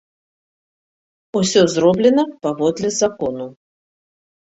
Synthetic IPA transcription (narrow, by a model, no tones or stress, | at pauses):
usʲɔzɾɔblʲɛnɐpavɔd̪lʲɛzakɔnu